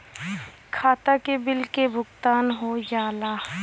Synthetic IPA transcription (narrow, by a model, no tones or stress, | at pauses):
kʰaːt̪akebɪlkebʱʊɡt̪aːnɦojaːla